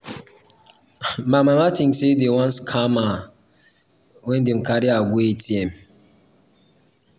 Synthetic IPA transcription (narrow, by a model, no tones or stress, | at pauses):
mamamatĩŋsedewãnskʰama | wɛ̃ndem̩kaɾiaɡʷuetiɛm